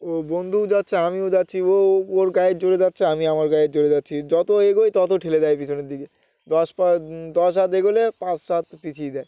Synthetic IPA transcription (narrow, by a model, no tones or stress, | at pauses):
obond̪ʱud͡ʑatːɕʰeamiod͡ʑat̪ːɕʰiooɾɡajed͡ʑoɽed͡ʑatːɕʰeamiamaɾɡajed͡ʑoɽed͡ʑatːɕʰid͡ʑɔt̪oeɡojt̪ɔt̪oʈʰeled̪ajpit͡ɕʰoneɾd̪ike | d̪ɔʃad̪ɔʃʃat̪eɡolepãt͡ɕʃat̪pit͡ɕʰijd̪ɛj